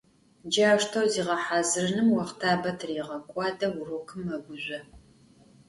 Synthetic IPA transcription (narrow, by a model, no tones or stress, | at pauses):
d͡ʒaːʃtʰɐwziːʁɐħaːzɨrɨnɨmwɐχtʰaːbɐtʰriːʁɐkʷʼɑːdɐwʊrokʰɨmɐɡʷʊʑʷɐ